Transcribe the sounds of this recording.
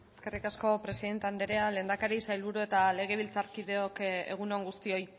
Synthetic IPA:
eske̞rikasko̞pɾe̞siðe̞nt̪eand̪eɾeale̞ːnd̪akaɾisajlβuɾue̞t̪ale̞ɣ̞e̞β̞ilt͡saɾkiðe̞o̞kḛɣ̞unoŋɡust̪io̞j

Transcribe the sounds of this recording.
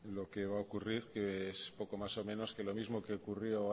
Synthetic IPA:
lo̞keβ̞aokuriɾkeespo̞ko̞maso̞mẽ̞no̞ske̞lo̞mizmo̞keokurjo

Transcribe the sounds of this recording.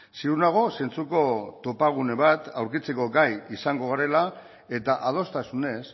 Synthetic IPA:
siuɾnaɣ̞o̞se̞nt͡suko̞t̪o̞paɣ̞une̞β̞at̪awɾkit͡se̞ko̞ɡajisaŋɡo̞ɣaɾe̞la | e̞t̪aʔað̞o̞st̪asune̞s

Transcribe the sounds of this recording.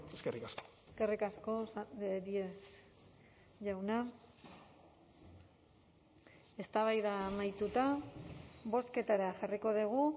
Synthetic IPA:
eskerikasko̥eske̞rikasko̞saeɾies | ʝawna | e̞st̪aβajðamajt̪ut̪a | βo̞ske̞t̪aɾaʝariko̞ðiɣ̞u

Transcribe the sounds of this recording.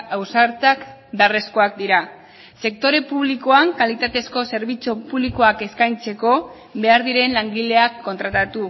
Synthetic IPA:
awsaɾt͡sakbeare̞sko̞ak̚d̪iɾa | se̞k̚t̪o̞ɾe̞puβliko̞aŋkalit̪at̪e̞sko̞se̞ɾβit͡sopuβliko̞ake̞skajnt͡se̞ko̞ | βe̞aɾðiɾe̞nlaŋɡile̞akːo̞nt̪ɾat̪at̪u

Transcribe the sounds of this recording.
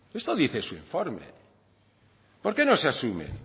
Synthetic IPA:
est̪oðiθesuiɱfoɾmḛ | po̞ɾke̞noseasumḛn

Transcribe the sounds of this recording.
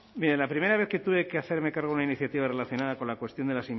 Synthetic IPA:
miɾelapɾime̞ɾaβe̞θke̞t̪uβe̞keaθe̞ɾme̞kaɾɣounainiθjat̪iβare̞laθjo̞naðako̞nlakwe̞st̪jo̞nd̪elasi

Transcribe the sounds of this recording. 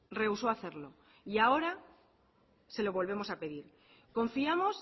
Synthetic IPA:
re̞uso̞aθe̞ɾlo̞ | iao̞ɾa | se̞lo̞βo̞lβ̞e̞mo̞sape̞ð̞iɾ | ko̞ɱfiamo̞s

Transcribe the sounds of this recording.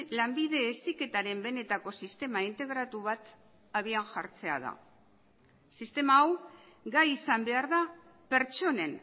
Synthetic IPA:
lambið̞e̞ːst̪ike̞t̪aɾe̞mbe̞ne̞t̪ako̞sist̪e̞maint̪e̞ɣ̞ɾat̪uβat̪ | aβ̞ianʝaɾt͡se̞a̰ð̞a̰ | sist̪e̞maːw | ɡajisambe̞aɾða | pe̞ɾt͡ʃo̞ne̞n

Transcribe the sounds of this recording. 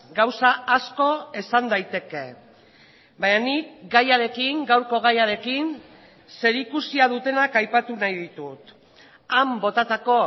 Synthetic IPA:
ɡawsaasko̞e̞sand̪ajt̪e̞ke̞ | baɲanikɡajaɾe̞kiŋɡawɾko̞ɣ̞ajaɾe̞kin | se̞ɾikusiaðut̪e̞nakajpat̪unajðit̪ut̪ | ambo̞t̪at̪ako̞

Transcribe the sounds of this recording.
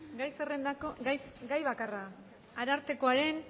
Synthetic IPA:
ɡajsere̞nd̪akoɡajɡajβakara | aɾaɾt̪e̞ko̞aɾe̞n

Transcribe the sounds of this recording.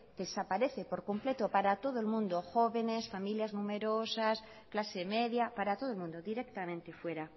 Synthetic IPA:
d̪̥e̞sapaɾe̞θepoɾko̞mple̞t̪o̞paɾat̪o̞ðoelmũnd̪o̞xo̞βe̞ne̞sfamiljaznũme̞ɾo̞sas | klaseme̞ðjapaɾat̪o̞ð̞olmũnd̪oðiɾe̞k̚t̪amẽ̞nt̪efwe̞ɾa

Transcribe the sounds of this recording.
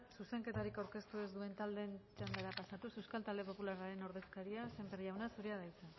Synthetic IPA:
suse̞ŋke̞t̪aɾikawɾke̞st̪ue̞zd̪ue̞nt̪ald̪e̞nt͡ʃand̪eɾapasat̪usewskalt̪ald̪e̞po̞pulaɾaɾe̞no̞ɾðe̞skaɾiase̞mperiawnasuɾiaðajt͡se

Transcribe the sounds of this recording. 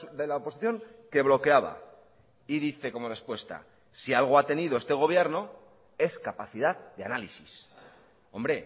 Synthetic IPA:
ðe̞laopo̞siθjo̞ŋke̞βlo̞ke̞aβa̰ | iðiθe̞ko̞mo̞re̞spwe̞st̪a̰ | sialɣ̞o̞at̪e̞niðo̞e̞st̪e̞ɣ̞o̞β̞je̞ɾno̞ | e̞skapaθiðaðd̪ea̰nalisis | o̞mbɾe̞

